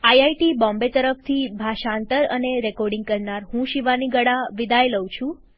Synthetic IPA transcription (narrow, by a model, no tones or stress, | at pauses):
ajajʈibɔ̃mbet̪əɾəft̪ʰibʱaʃaːnt̪əɾə̰neɾɛkɔɾɖiŋɡ̚kəɾnaɾɦũʃiʋaniɡəɽaʋid̪ajləwt͡ʃʰũ